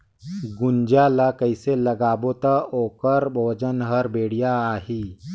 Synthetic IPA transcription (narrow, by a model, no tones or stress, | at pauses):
ɡund͡ʒalakəjseləɡabot̪aokəɾbʱod͡ʒənɦəɾbeɽjaːɦi